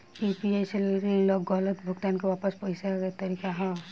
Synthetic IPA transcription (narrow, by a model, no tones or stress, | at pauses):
pipieselɾilɔɡɔlət̪bʱʊkt̪ankewaːpəspɔisaet̪ɐɾikaɦɔ̃